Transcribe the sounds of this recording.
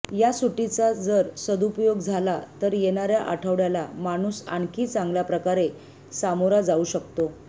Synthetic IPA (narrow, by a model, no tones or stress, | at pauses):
jasuʈit͡sad͡zəɾsəd̪upjoɡd͡zʱalat̪əɾjeɳ̃aɾjaʔaʈʰəʋɽjalamaɽ̃uːsa̰ɳkiːt͡sãŋɡljapɾəkaɾe | samoɾad͡zauːɕəkt̪o